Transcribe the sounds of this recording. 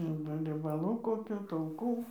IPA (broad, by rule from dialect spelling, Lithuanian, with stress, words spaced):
ˈɐrbɐ rʲiɛbɐˈlˠuː koːˈkʲuː tɐʊˈkuː